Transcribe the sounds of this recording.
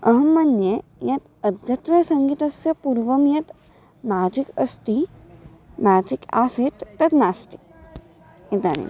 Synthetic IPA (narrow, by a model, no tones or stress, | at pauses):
ɐɦɐmːɐnjejɐt̪ɐd̪ʱjɐt̪ʋɐsɐŋɡit̪ɐsjɐpuɾʋɐmjɐt̪ | maːd͡ʒikɐst̪i | maːd͡ʒika̰ːset̪ːɐt̪naːst̪i̥ | it̪a̰nḭ